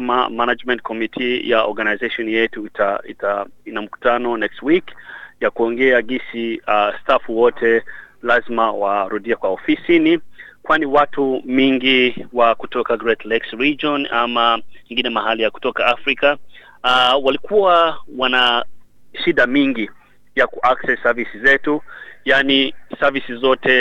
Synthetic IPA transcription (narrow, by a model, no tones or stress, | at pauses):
ma̰manad͡ʒmɛ̃nt̚kʰɔmitʰija̰ɔɾɡanajzeʃɔnjɛtuitaitainam̩ku̥tanɔnɛkstwikjakuɔŋɡɛaɡisiastafuwɔtʰɛlazmawaɾuɗiakwaɔfisinikwaniwatumiŋɡiwakutɔkaɡɾɛtʰlɛksɹid͡ʒɔnamaɛŋɡinɛmaɦalijaku̥tɔkaafɾika | walikuwawana | ʃiɗamiŋɡi | jakuʔaksɛsavisizɛtujanisavisizɔtʰɛ